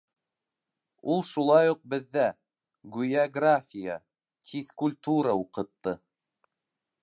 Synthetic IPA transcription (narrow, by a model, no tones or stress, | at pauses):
ulˠʃulˠɑjuq̚bɘ̆ðːæ | ɡujaɡrafʲijə̰ | t̪ʰʲiθkulʲt̪uɾəuqɤ̆t̪ːɤ